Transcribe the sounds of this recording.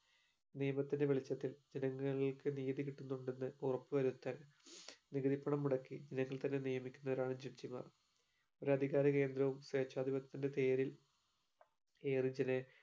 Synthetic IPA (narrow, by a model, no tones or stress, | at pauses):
nijɐmɐt̪ːinde̞ʋeɭit͡ɕːɐt̪ːild͡ʑenɐŋːɐɭkɨniːðikiʈːunːuɳɖenːɨurɐpːɨʋɐɾut̪ːɐn | niɣɐðipːɐɳɐmːuɽɐkːid͡ʑenɐŋːɐɭt̪ɐnːe̞nijɐmikʲːunːɐðɐɾaːɳɨd͡ʑiʈt͡ɕima̰ːr | oɾɐd̪ʱiɣaːɾɐk̬e̞ːnd̪ɾɐʋumsreːt͡ɕːaːd̪ʱibɐt̪ːinde̞t̪e̞ːɾil | e̞ːrid͡ʑene